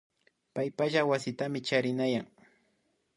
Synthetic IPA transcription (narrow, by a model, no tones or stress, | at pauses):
pajpaʒawasɪt̪amɪt͡ʃaɾɪnajaŋ